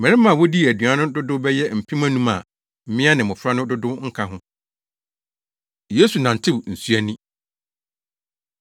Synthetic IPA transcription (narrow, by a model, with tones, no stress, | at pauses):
mɛ̃˨ɾɪ˦mã˨wɔ˦di˦˨æ˨dɥ̃a˨˦nʊ̃˦dʊ˦dʊ˦bɛ˦jɛ˦m̩˨pʰi˦mã˦nũ˦ma˨ | m̩˦mɪ̃˦a˦nɪ̃˨mʊ̃˨fɾa˦nʊ̃˦dʊ˦dʊ˦ŋ̩˦kʰa˦ɦʊ̃˦ | jeː˦su˨nã˨n̩˨tʰɪ˦wn̩˨su˦æ˦nĩ˦